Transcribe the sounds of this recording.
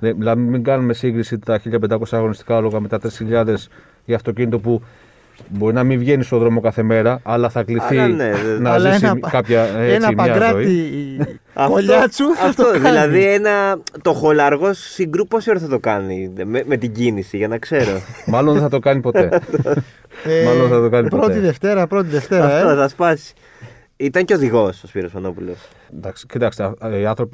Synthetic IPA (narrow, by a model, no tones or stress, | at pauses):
nelɐmiŋɡɐnume̞siŋɡɾisit̪ɐçiʎɐp̬e̞nd̪ɐko̞sɐːɣo̞nist̪i̥kɐloɣɐmet̪ɐt̪ɾisçiʎɐðe̞s | iɐft̪o̞cinit̪o̞pu | bo̞ɾinɐmivʝe̞nist̪oðɾo̞mo̞kɐθe̞me̞ɾɐɐlɐθɐkliθinenɐisikɐpçɐeenɐimpɐɐɾɐoii | ɐoʎɐt͡suɐft̪oðilɐðienɐt̪o̞xo̞lɐɾɣo̞sːiŋɡɾuposioɾθɐt̪o̞kɐnimeme̞t̪iɟinisiʝɐnɐkse̞ɾo̞mɐlonðeθɐt̪o̞kɐnipo̞t̪et̪ | mɐlonðeθɐt̪okɐnipɾot̪iðe̞ft̪e̞ɾɐpɾo̞t̪iðe̞ft̪e̞ɾɐɐfet̪oθɐspɐsi̥ | it̪ɐɲceoðiɣo̞sospiɾospɐno̞pulos | d̪ɐkscid̪ɐkseiɐnθɾo̞pi